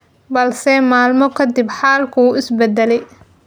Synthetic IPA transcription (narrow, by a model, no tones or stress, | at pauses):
bɐlsɛmaːlmɔkʰɐd̪ɪbħaːlkʰɐuːʔɪsbɛd̪ɛlɛj